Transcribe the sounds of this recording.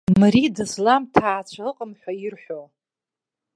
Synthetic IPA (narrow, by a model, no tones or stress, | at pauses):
maɾidɨslamtʰaːt͡ɕʷʰaɨqʼəmħʷairħʷᶣo